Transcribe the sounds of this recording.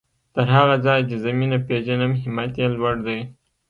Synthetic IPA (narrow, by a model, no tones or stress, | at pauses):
t̪əɾɦaɣazɑjt͡ʃezaminapeʒanamɦɪmat̪jelwaɽd̪aj